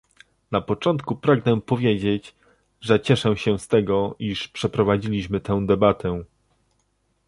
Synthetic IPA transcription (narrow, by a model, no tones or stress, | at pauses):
napɔt͡ʂɔnt̪kupɾaɡnɛpɔvʲjed͡ʑed͡ʑ | ʐɛt͡ɕɛʂɛɕɛst̪ɛɡɔiʂpʂɛpɾɔvad͡ʑilʲiɕmɘt̪ɛ̃w̃d̪ɛbat̪ʰɛ